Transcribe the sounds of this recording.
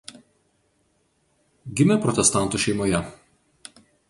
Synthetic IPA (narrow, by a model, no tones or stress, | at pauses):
ɡʲɪmʲɛpɾɔt̪ʲɛst̪ɑˑnˑt̪uːˑʃʲɛɪmoːjɛ